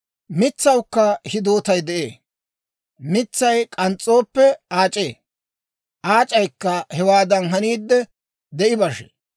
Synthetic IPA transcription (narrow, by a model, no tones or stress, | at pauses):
mɪt͡sːɐwkːɐhɪd̪o̞ːt̪ɐjd̪ɛʔḛː | mɪt͡sːɐjkʼɐnt͡sʼːo̞ːpːɛaːt͡ʃʼeː | ʔaːt͡ʃʼɐjkːɐhɛwaːd̪ɐnɦɐniːd̪ːɛ | d̪ɛʔɪbɐʃḛ